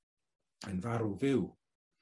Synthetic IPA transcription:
ənvaɾuvɪw

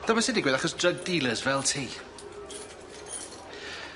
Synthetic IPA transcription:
ð̥ɔməsɪdɪɡwɪðaχɔsdəɡ̚diːlˠəzvɛlˠtʰiː

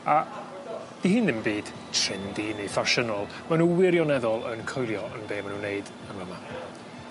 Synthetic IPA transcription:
a | d̥ihɨnðɪmbiːd̥ | tʰr̥ɪndinifaʃənɔlˠ | manuwɪɾjɔnɛðɔlˠənkʰɔjlˠjɔənbeːmanuneɨd | əməma

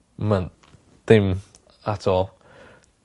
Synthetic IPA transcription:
man | d̪̥ɪm | atʰɔlˠ

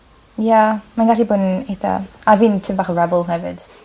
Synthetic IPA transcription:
jamanɡaɬibʊːneθa̰aviːntʰɪmbaːχəɹɛbʊlˠhɛvɪd̥

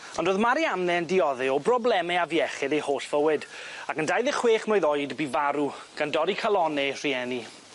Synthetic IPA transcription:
ɔndoːðmaɾiamnɛndɪɔðɨɔbrɔblˠɛmɛavjɛχɪðejhoːɬv̥əwɨdakəndajðɪχweːχmoːɨðojdbivaɾuɡ̥andɔɾikʰalˠɔnɛr̥iɛni

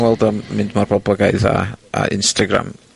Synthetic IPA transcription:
wɛlˠdɔmmɪndmarbɔblˠəɡaɨða̰aɪ̰nstaɡɾa̰m

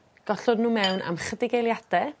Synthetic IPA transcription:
ɡ̥ɔɬɔdnuːmɛwna̰mχədɪɡejlˠjad̥ɛ

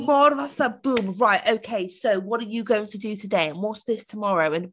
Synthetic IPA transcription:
mɔəðatsðət̚b̥ʉ̃mɹaɪtoʊkʰeɪsoʊwɒɾəjəɡoʊɪ̃ŋtʰədətʰədeɪə̃nwɒtsðɪstʰəmɒɹoʊɨ̃n

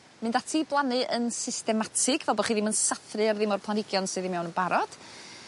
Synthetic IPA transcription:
mɨndatʰiblˠanɨʔənsɪstɛmatʰɨɡvɛlˠbɔχiːðɪmənsaθrɨarðɪmɔrpʰlˠanɪɡjɔnsɨðɪmɛwnənbaɾɔd̥

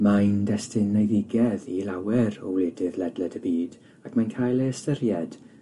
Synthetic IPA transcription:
majndɛstɪnɛðɪɡɛðilawɛɾɔ̰wlɪdɪðlɛdlɛdəbiːd | akʰmankʰajlˠəəstərjɛd̥

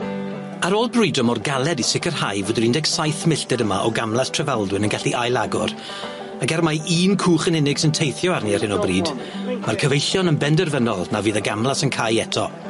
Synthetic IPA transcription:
aɾoːlˠbrudɔmɔrɡalˠɛdisɪkərhajvʊːdɪɾɪndɛksajθmɪɬtɛdəma̰ʔɔɡamlˠastʰr̥ɛvalˠdwɨnənɡaɬiʔajlˠaɡʊ̰r | aɡɛrmajiːnkʰuːχənɪnɪɡ̥sɪntʰejθjɔarniarhɪnɔbriːdmarkʰəvejɬjɔnənbɛndɛrvənɔlˠnaviːðəɡamlˠasənkʰajɛtʰɔ

